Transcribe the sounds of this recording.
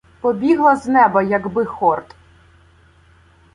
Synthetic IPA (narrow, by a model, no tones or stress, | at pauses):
pɔbʲiɦlˠɐznɛbɐjɐɡbɪxɔrt̪